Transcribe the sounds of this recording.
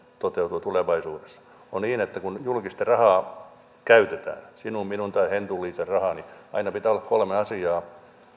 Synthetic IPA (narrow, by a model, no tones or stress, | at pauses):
t̪ot̪eut̪ut̪uleʋɑisuːdesːɑ̥ | onniːnet̪ːækunjulkist̪erɑhɑː | kæyt̪et̪æ̰ːnsinumminunt̪ɑihent̪ulːˑiːserrɑhɑniɑ̰inɑpit̪æːolːɑkkolmeɑsiɑː